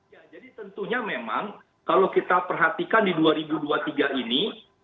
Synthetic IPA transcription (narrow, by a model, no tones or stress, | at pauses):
jad͡ʒadit̪ənt̪uɲamema̰ŋ | kalokit̪apərɦat̪ikandiduaɾibuduat̪iɡaini